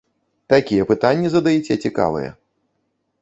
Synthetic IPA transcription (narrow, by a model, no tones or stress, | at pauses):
t̪akʲijɛpɨt̪anʲːɛzɐd̪ajit͡sʲɛt͡sʲika̰vɨ̰jɛ̰